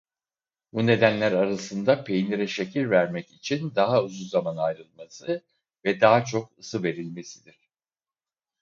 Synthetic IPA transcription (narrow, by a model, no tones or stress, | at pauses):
bune̞d̪ænlʲæɾaɾasɯnd̪apʰejnʲiɾɛʃecʰiɾvæɾmɛcit͡ʃʰind̪aɦaɯzuzamanajɾɯlˠmasɯ | vɛd̪aɦt͡ʃʰo̞k̚ɯsɯve̞ɾilʲme̞sid̪iɾ̥